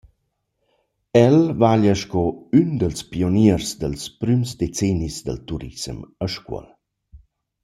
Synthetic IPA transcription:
ɛlvaʎəʃkɔynd̪əlspioniərsd̪əlspɾymsd̪et͡sɛnisd̪ə̰lt̪uɾḭsməʃkwə̰l

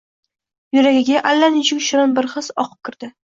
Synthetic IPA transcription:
jʊɾaɡʲɪɡʲaʔalːanɪt͡ʃʰʊkʲʃɪɾanbɪɾχɨzɒqʰɨ̥p̚kʲʰɪɾd̪̥ɪ

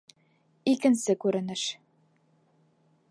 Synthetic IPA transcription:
ikɘ̆nsɘkʉɾɘ̆nɘʃ

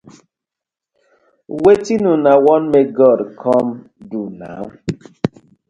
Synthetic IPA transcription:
wetinunawɔnmeɡɔɾkʰɔm | duna̰

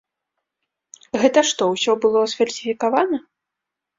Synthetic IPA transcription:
ɣɛt̪ɐʂt̪ɔwsʲɔbɨlˠɔsfʲɐrʲsʲifʲikavanɐ

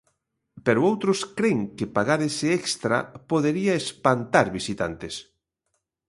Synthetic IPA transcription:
peɾʊowt̪ɾʊskɾeŋkɪpaɣaɾesɪekst̪ɾa̰poðeɾiaespant̪aɾβisit̪a̰nt̪es

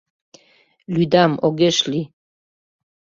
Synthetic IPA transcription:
lud̪amoɡeʃli

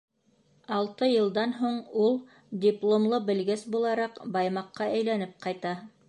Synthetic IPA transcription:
ɑlˠt̪ɤjɤ̆lˠd̪ɑnɦuɴulˠ | dʲiplˠomlˠɤbɘ̆lɡɘsbulˠɑɾɑqbɑjmɑqːɑʔæjlænɘp̚qɑjt̪ɑ

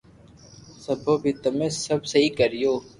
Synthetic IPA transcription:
səbʱoːbʱiːt̪ɐmẽːsəbsəɦiːkəɾijoː

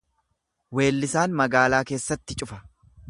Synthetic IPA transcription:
we̞ːlːɪsaːnmɐɡaːlaːke̞ːsːɐt̪ːɪt͡ʃʼʊfɐ̥

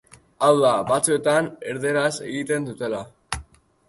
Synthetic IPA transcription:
awðaβat͡sue̞t̪ane̞ɾðe̞ɾase̞ɣit̪e̞nd̪ut̪e̞la

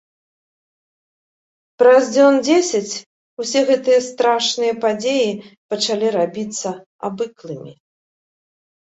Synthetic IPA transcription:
pɾazd͡zʲɔnd͡zʲesʲɐt͡sʲ | usʲɛɣɛt̪ɨjɐst̪ɾaʂnɨjɐpad͡zʲejipɐt͡ʂalʲiɾabʲit̪sːɐ | a̰bɨklˠɨmʲḭ

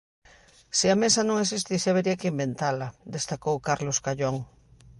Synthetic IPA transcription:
sɪamesanõŋes̬ist̪isaβeɾiakɪimbent̪alad̪est̪akowkaɾloskaʎoŋ

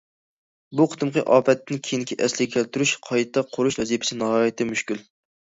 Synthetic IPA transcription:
buqʰə̥t̪ʰɨmqʰəʔɑːpʰɛt̪ʰːɪnkʲʰijinkʲʰiʔɛslɪɡʲɛkʲʰælt̪yɾyʃqʰɑjt̪ʰːɛqʰʊɾuʃlɛzipʰɪ̥sɪnɑɦɑːjɪt̪ʰɪmyʃkʲyl

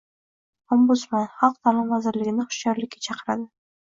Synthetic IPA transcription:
ɒmbʊt̪smanχɑlˠq̚t̪ʰalɪmvazɪɾlɪɡʲɪnɪχʊ̥ʃt͡ʃɒɾlɪkʲːat͡ʃʰɑqʰəɾad̪ɪ

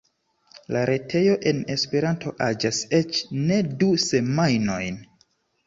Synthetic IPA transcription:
laɾʔe̞tʰe̞jo̞ʔe̞ne̞spe̞ɾantʰo̞ʔad͡ʒase̞t͡ʃne̞duse̞majno̞jn

